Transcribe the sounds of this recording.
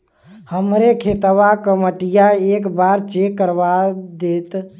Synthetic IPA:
həmɾekʰet̪əʋakəməʈijaekbaɾt͡ʃekːəɾbad̪et̪

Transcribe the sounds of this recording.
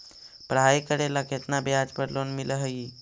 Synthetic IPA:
pɾəɦajkəɾeləket̪ʰnabjad͡ʒpəɾlonmiləɦəi

